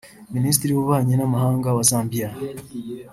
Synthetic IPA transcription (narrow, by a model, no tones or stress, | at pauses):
minis̬tiɾiβuβaːɲenamaɦaːŋɡaβasaːmbija